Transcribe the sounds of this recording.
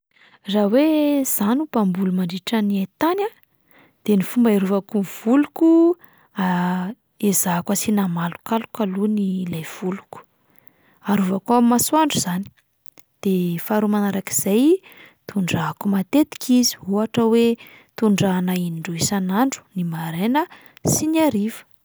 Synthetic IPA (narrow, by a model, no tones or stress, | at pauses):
rawez̥anupambulumaɳɖ͡ʐiʈ͡ʂaniat̪ana | d̪̥enifumbaiɾuvakunv̥uluku | a | ezakəsinamalu̥kalu̥kalunilajv̥uluku̥ | aɾuvakuamasuaɳɖ͡ʐuzani̥ | d̪̥efaɾumanaɾaki̥z̥ajt̪ʰuɳɖ͡ʐaːkumat̪et̪i̥kʰizi̥ɦuɦaʈ͡ʂəwe | t̪uɳɖ͡ʐanainiɳɖ͡ʐuisanaɳɖ͡ʐu̥nimaɾenə | sinaɾivə̥